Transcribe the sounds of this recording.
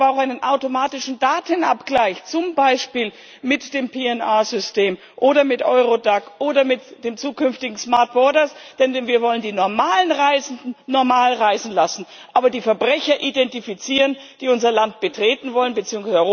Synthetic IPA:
aʊxaɪnənʔaʊtomaːtɪʃn̩daːtənʔa̰pɡ̥laɪçt͡sʊmbaɪʃpiːl | mɪtd̥eːmpʰeːɛnaːzʏsteːm | ʔoːɾɐmɪtʔɔʏʁodakʔoːdɐmɪtd̥eːmt͡suːkʏnftɪɡŋ̩smaɐt̚b̥ɔɐdɐsd̥ɛnɛviːɐvɔləndiːnɔɐmaːlənʁaɪzn̩dn̩ːɔɐmaːlʁaɪzn̩lasn̩ | ʔaːbɐdiːfɛɐbʁɛçɐʔidɛntifit͡siːʁən | d̥iːʊnzɐlant̚b̥ətʁ̥eːtn̩vɔlənbət͡siːʊŋsazɔ

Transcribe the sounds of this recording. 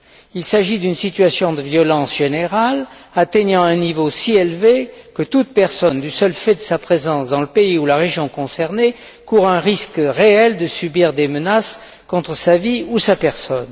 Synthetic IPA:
ilsaʒid̪ynsit̪ɥasjɔ̃d̪əvjɔlɑ̃sʒ̥eneʁal | at̪eɲɑ̃ɛ̃nivosielvekət̪ut̪pɛʁsɔnd̪ysœlfɛd̪əsapχezɑ̃sd̪ɑ̃ləpeiulaʁeʒjɔ̃kɔ̃sɛʁne | kuʁɛ̃ʁiskʁeɛld̪əsybiʁd̪emənas | kɔ̃t̪χəsaviusapɛʁsɔn

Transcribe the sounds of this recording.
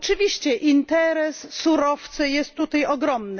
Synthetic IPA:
ɔt͡ʂɘvʲiɕt͡ɕɛʔint̪ɛɾɛsːuɾɔft̪sɨjɛst̪ːut̪ajɔɡɾɔmnɘ

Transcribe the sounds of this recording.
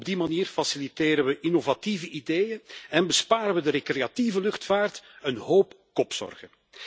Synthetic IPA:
b̚dimaniːrfasiliteːɾəʋəʔinovativəʔideːjənɛnbəspaːɾəʋədəɾekreativəlʏxtfaːrtənɦoːp | kɔpsɔ̰rɣən

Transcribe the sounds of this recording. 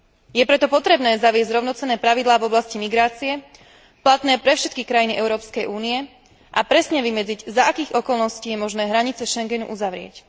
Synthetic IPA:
jɛpɾɛt̪ɔpɔt̪ɾɛbnɛːzaʋɪɛzɟzɾɔʊnɔt͡sɛnːɛːpɾaʋid̪laːvɔblascimiɡɾaːt͡siɛ | plat̪nɛːpɾɛfʃɛt̪̚kikɾajiniʔɛʊɾɔːpskɛjʔuːniɛ | ʔapɾɛsɲɛʋimɛd͡ziɟzaakiːɣɔkɔlˠnɔsciːjɛmɔʒnɛːɦɾaɲit͡sɛʃɛŋɡɛnṵʔuzaʋɾɪɛ̰c

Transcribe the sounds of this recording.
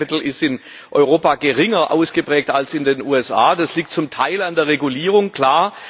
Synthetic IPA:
pɪtl̩ɪstɪn | ʔɔʏʁoːpaɡəʁɪŋɐʔa̰ʊsɡ̥əpʁ̥ɛːk̚talsɪndeːnʔuːɛsʔa̰ːd̥asliːk̚tt͡sʊmtʰaɪlandeːɐʁeɡuliːʁʊŋkʰl̥aːɐ

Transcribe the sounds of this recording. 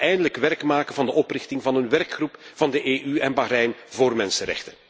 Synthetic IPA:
ɛjndələkʋɛrkmaːkənvɑndəʔɔprɪxtɪŋvɑnənʋɛrkχrupv̥ɑndəʔeːʔyɛnbalɛjnvoːrmɛnsəɾɛ̰xtən

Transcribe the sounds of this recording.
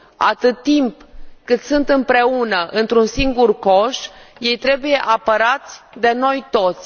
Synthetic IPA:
a̰t̪ɨt̪ːimpkɨt̪sunt̪ɨmpɾe̞unəʔɨnt̪ɾunsiŋɡurkoʃje̞jt̪ɾe̞buje̞ʔapəɾat̪sʲd̪e̞no̞jt̪o̞t̪sʲ

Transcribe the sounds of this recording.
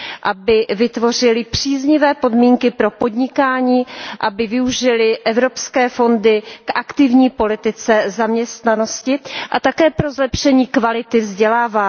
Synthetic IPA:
ʔabɪvɪt̪vo̞r̝ɪlɪpr̝̥iːzɲɪvɛːpo̞dmiːŋkɪpɾo̞po̞dɲɪkaːɲiːʔabɪvɪuʒɪlɪʔɛvɾo̞pskɛːfo̞ndɪkʔakt̪ɪvɲiːpo̞lɪt̪ɪt͡sɛzamɲɛst̪nano̞scɪʔat̪akɛːpɾo̞zlɛpʃɛɲiːkvalɪt̪ɪvzɟɛlaːvaː

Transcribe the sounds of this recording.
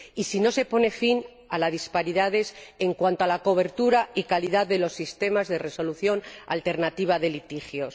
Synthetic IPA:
isino̞se̞po̞ne̞fin | alaðispaɾiðað̞e̞seŋkwant̪oalako̞β̞e̞ɾt̪uɾaikaliðaððe̞lo̞sːist̪e̞mazðe̞re̞so̞luθjo̞na̰lt̪e̞ɾnat̪iβ̞aðe̞lit̪ixjo̞s

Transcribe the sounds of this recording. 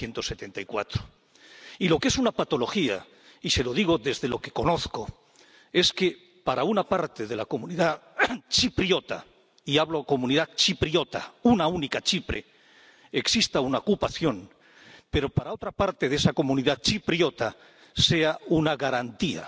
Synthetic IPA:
je̞nt̪o̞se̞t̪e̞nt̪aikwat̪ɾo | ilo̞kee̞sunapat̪o̞lo̞xia̰ | ise̞lo̞ðiɣ̞o̞ðe̞zðe̞lo̞ke̞̥ko̞no̞θko̞ | e̞ske̞ | paɾaunapaɾt̪e̞ðe̞lako̞muniðat͡ʃipɾjo̞t̪a̰ | iaβloako̞mũniðat͡ʃipɾjo̞t̪a̰unaunikat͡ʃipɾe̞̰ | eksist̪aunaokupaθjo̞n | pe̞ɾo̞paɾao̞t̪ɾapaɾt̪eðe̞sako̞mũniðat͡ʃipɾjo̞t̪a | se̞aunaɣaɾant̪ia̰

